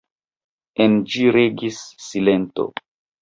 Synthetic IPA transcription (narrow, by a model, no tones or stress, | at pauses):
end͡ʒiɾeɡisːile̞nto̰